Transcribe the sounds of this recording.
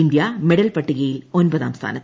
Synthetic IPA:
ind̪jameɽɐlpɐʈːiɣɐjilo̞nbɐða̰ːmst̪ʰa̰ːnɐt̪ː

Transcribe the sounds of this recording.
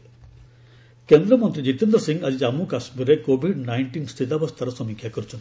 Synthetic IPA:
kend̪ɾɐmənt̪ɾid͡ʑit̪end̪ɾɐsiŋɡɐd͡ʒid͡ʑamukaʃmiɾekoːbiɖnajɳʈiːnst̪ʰit̪abɐst̪ʰɐɾɐsɐmikʰjakəɾut͡ʃʰun

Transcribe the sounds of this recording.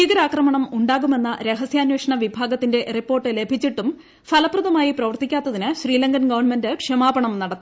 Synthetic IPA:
iɡɐɾaːkrɐmɐɳɐmuɳɖaːɣume̞nːɐɾe̞ɦɐsjaːnweːʂɐɳɐʋibʱaːɡɐt̪ːinde̞ripːo̞ːrʈːɨle̞bʱit͡ɕːiʈːum | fʰɐlɐpːruðɐmaːjiprɐʋɐrt̪ikʲːaːt̪ːɐðinɨɕriːlɐŋɡɐnɡɐʋɐrnme̞ndɨkʂɐmaːbɐɳɐmnɐɽɐt̪ːu

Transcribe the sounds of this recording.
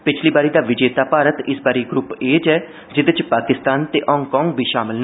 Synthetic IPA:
pɪt͡ʃʰliːbaːɾiːd̪aːʋɪd͡ʒeːt̪aːpaːɾət̪ɪsbaːɾiːɡɾʊpeːd͡ʒɛː | d͡ʒɪd̪ɪt͡ʃpaːkɪst̪aːnt̪eːʔɔ̃ːŋɡkɔːŋɡbʱiːʃaːmɪln

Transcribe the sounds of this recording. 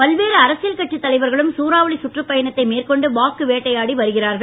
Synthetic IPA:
pɐlʋeːɾɯɐɾɐsɪjɐlkɐʈːit̪ːɐlɐɪʋɐɾɣɐɭɯmsuːɾaːʋɐɭisʊʈrɯpːɐjɐɳɐt̪ːɐɪmeːrkɔɳɖɯʋaːkːɯʋeːʈːɐjaːɽiʋɐɾɯɣɪraːɾɣɐɭ

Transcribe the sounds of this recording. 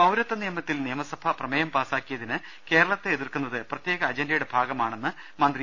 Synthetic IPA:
ɐwɾɐt̪ːɐnijɐmɐt̪ːilnijɐmɐsɐb̥ʱɐprɐmɐjɐmpaːsaːkːijɐðinɨ | ke̞ːɾɐɭɐt̪ːeeðirkunːɐðɨprɐt̪je̞ːɡɐːd͡ʑendɐjuɽe̞bʱaːɡɐmaːɳenːɨ | mɐnd̪ri

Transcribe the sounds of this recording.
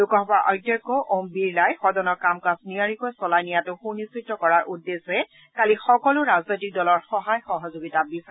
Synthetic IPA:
lʊkɔɦbaʔɔjtakːɔʔombiɹlajxɔdɔnɔɹkamkasniaɹikojsɔlajnijatʊxunisitːɔkɔɹaɹʔudːesɛ | kalixɔkɔlʊɹaznojtik̚dɔlɔɹxɔɦajxɔɦɔzoɡitabisa

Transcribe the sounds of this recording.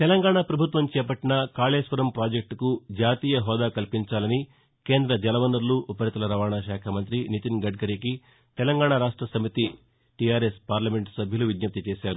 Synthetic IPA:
t̪ɛlɐŋɡaːɳapɾɐbʱut̪ʋɐmt͡ʃɛːpɐʈːinɐkaːleːʃʋɐɾɐmpɾaːd͡ʒek̚ʈkud͡ʒaːt̪iːjɐɦɔːd̪aːkɐlpiɲt͡ʃaːlɐni | ke̞ːnd̪ɾɐd͡ʒɛlɐʋɐnɐɾluʔːpɐɾit̪ɐlɐɾɐʋaːɳaːʃaːkʰɐmɐnt̪ɾinit̪inɡɐɖɡɐɾiki | t̪ɛlɐŋɡaːɳɐɾaːʂʈɾɐsɐmit̪i | ʈijaːɾespaːɾlɐme̞ɳʈsɐbʱjɐluʋid̪nɐp̚t̪it͡ʃeːʃaːɾu

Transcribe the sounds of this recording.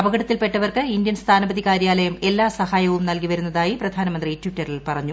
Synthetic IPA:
ɐbɐɣɐɽɐt̪ːilpe̞ʈːɐʋɐrkɨindjɐnst̪ʰaːnɐbɐd̪ikaːɾjaːlɐjɐme̞lːaːsɐhaːjɐʋumnɐlkiʋɐɾunːɐðaːjiprɐd̪ʱaːnɐmɐnd̪ritwiʈːɐrilpɐrɐɲːu

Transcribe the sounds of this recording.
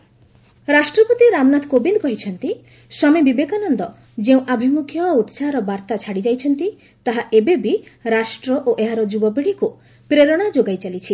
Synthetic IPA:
ɾasʈɾɔpot̪iɾamnat̪ʰkobind̪ɔkɔɦit͡ʃʰɔnt̪i | sɔmebibekanɔnd̪ɔ | d͡ʒeũʔabʱimukʰjɔut̪saɾɔbaɾt̪at͡ʃʰaɽid͡ʒajt͡ʃʰɔnt̪i | t̪aɦaʔebebiɾasʈɾɔʔoʔeɦaɾɔd͡ʒubɔbiɽiku | pɾeɾɔɽ̃ad͡ʒoɡajt͡ʃalit͡ʃʰi

